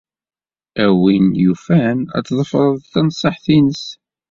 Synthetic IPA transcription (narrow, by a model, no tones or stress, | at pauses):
æwinjufænæ̰t͡sːðˤəfəɾˤəðˤθænsˤːəħθinəs